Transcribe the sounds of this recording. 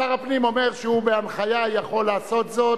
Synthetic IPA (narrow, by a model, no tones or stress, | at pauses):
aʁapnimo̞me̞ʁʃeubeanχajajaχo̞lːaːso̞t̪zo̞